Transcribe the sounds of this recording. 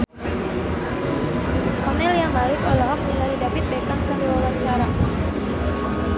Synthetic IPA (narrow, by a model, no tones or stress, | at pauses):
kɔnɛliamalɪkɔlɔɦɔk̚miɲaɾidapit̪̚ɛkankənduwawaɲt͡ʃaɾa